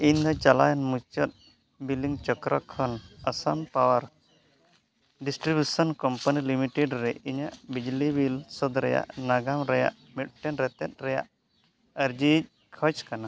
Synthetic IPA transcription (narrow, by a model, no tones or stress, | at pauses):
ind̪at͡ʃala̰janmut͡ʃɔt̪̚ | biliŋt͡ʃɔkɾakʰɔnəsampawaɾ | ɖisʈɾibjusɔnkɔmpanilimiʈɛɖɾɛiɲaʔbid͡ʒlibilsɔd̪ɾɛja̰ʔnaɡamɾɛja̰ʔ | mit̚ʈɛnɾɛt̪ɛt̪̚ˀɾɛja̰ʔ | əɾd͡ʒic̚ | kʰət͡ʃkana